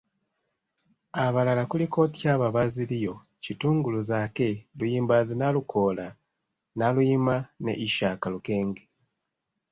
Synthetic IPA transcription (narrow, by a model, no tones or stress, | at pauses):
aβalalakuliko̞ːti̥caːβaβazilijo̞ | cituːŋɡuluzaːke̞lujiːmbazinalukʰo̞ːla | nalujimane̞̰ʔiʃaːkaluke̞ːŋɡe